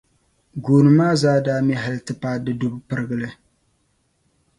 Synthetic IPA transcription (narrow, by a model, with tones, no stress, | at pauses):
ɡoː˨nɨ˨maː˦zaː˦daː˦mɛ˦ɦa˨lɨ˦tɨ˦paː˦dɨ˦du˦bpɨ˦ɾɨ˦ɣɨ˦lɨ˦